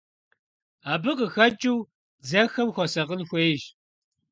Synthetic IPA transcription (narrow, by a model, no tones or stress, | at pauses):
aːbɨqəxɐt͡ʃʼɪw | d͡zɐxɐmxʷɔsɐqənxʷeːjʒ